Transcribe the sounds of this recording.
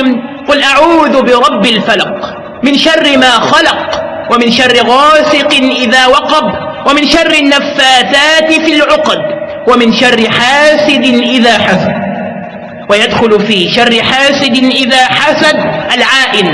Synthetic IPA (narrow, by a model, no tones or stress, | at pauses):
qʊlʔaʕuːðʊbɪɾˤɑbːɪlfalɑq | mɪnʃɑrˤːɪmaːxɑlɑq | wamɪnʃɑrˤːɪɣɑːsɪqɪʔɪðaːwɑqɑb | wamɪnʃɑrˤːɪnːafːaːθaːt̪ɪfilʕʊqd̪ | wamɪnʃɑrˤːɪħaːsɪd̪ɪʔɪðaːħasad̪̚ | wajad̪xʊlfiːʃarˤːɪħaːsɪd̪ɪʔɪðaːħasad̪ʔalʕaːʔɪn